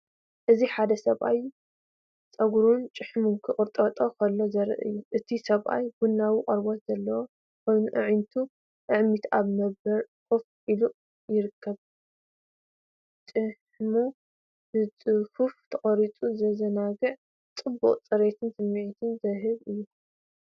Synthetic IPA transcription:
ʔɨziħad̪ɐsɐβʔaj | t͡sʼɐɡɾunt͡ʃʼɨħmunkʰɨχʼɨɾt̪ʼɐt̪ʼokʰɐlːo̞zɐɾɨ̰ʔɨ̰jːuʔɨt̪ʰisɐβʔa̰jbunːawiqʼɐɾbot̪z̥ɐlːɐwo | kʰojnuʔɨ̰ʕint̪ʰu | ʔɨʕmit̪ʰʔaβnɐbɐɾ | kufʔilu | jɪɾɨkʰːɐβ | t͡ʃʼɨħ | mu | b̥ɨt͡sʼɨfuft̪ʰɐχʼɐɾit͡sʼuzɐzɐnaɡɨʕ | t͡sʼɨbːṵqʼt͡sʼɐɾet̪ʰɨnsɨmːiʕit̪ʰɨnzɐɦɨβɨjːu

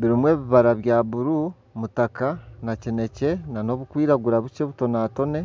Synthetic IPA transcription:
βiɾimwe̞ːβiβaɾaβjaːβuɾu | mutakanacine̞cenano̞βukwiːɾaɡuɾaβut͡ʃeβuto̞naːto̞ne̞

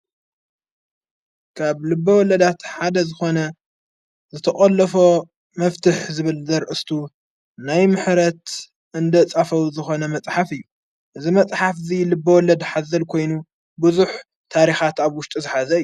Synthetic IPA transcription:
kʰaβlɨbːɐwɔlɐd̪at̪ħad̪ɐzɨxo̞nɐ | zɨt̪ʰɐχʼɐlːɐfo̞ | mɐft̪ʰɨħzɨβɨlzɐɾʔɨst̪ʰu | najmɨħɾɐt̪ | ɨnd̪ɐt͡sʼafɐwzɨxo̞nɐmɐt͡sʼħafɨjːu | ʔɨzimɐt͡sʼħafzilɨbːɐwɔlɐd̪ħazɐlkʰo̞jnu | buzuħ | t̪ʰaɾixat̪aβwʊʃt̪ʼizɨħazɐɨjːu

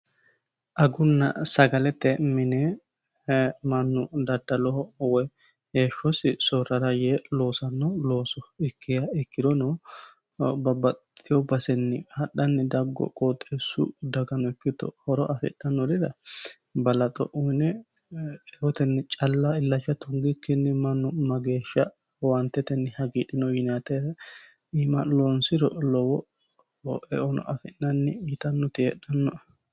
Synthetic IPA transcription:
ʔɐɡʊnːɐ̰sɐɡɐlɛt̪ːɛmɪne | mɐnːʊd̪ɐd̪ːɐlɔhɔwɔj | eːʃːɔsɪsɔɾɐɾɐjelo̞ːsɐnːɔlo̞ːsɔɪkːɪjɐɪkːɪd̪ɔnɔ | bɐbɐt̪ʼːɪjɔbɐsɛnːɪhɐɗɐnːɪd̪ɐɡːɔ̰kʼɔt̪ʼːeːsʊ̰d̪ɐɡɐnɔɪkːɪt̪ɔ̰hɔɾɔʔɐfɪ̰ɗːɐnːɔɾɪd̪ɐ | bɐlɐt̪ʼɔ̰ʔuːnɛ | ɛʔɔt̪ɛnːɪt͡ʃʼɐlːaɪlːɐt͡ʃːɐt̪ɔŋɡɪkːɪnːɪmɐnːʊmɐɡe̞ːʃːɐ | want̪ːɛt̪ɛnːɪhɐɡiːᶑɪnɔjɪnat̪ɛɾ | iːmɐloːnsɪɾɔ̰lɔwɔ | ɛʔɔnɔ̰ʔɐfɪʔnɐnːɪɪt̪ɐnːɔt̪ɪhɛ̰ᶑɐnːɔ

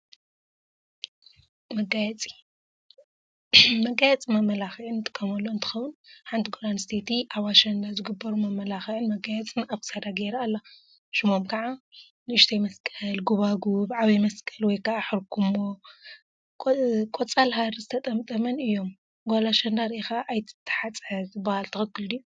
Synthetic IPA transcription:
mɐɡajɛt͡sʼi̥ | mɐɡajɛt͡sʼimamːɐlaxiʕɨnt̪ʼɨ̥kʰːɐmɐlːoɨnt̪ʰɨxɐwːɨnħant̪iɡoɾanst̪ʰet̪iʔaβaʃɐnd̪azɨɡɨbːɐɾumɐmːɐlaxiʕɨnmɐɡajɛt͡sʼɨnaβkʰɨ̥sad̪aɡeɾalːa | ʃɨmomkʰaʕa | nɨɨʃt̪ʰejmɐskʼɐlɡuβaɡubʕaβimɐskʼʰɐlwɔjkʰaʔaħɨɾkʰumːo | kʼot͡sʼalɦaɾzɨt̪ʰɐt̪ʼɐmt̪ʼɐmɐnɨjːo̞m | ɡolaʃɐnd̪aɾixaʔːjt̪ʰt̪ʰːɐ̥ħat͡sʼħɐzɨbahalt̪ʰɨxɨkːɨlɨjːu

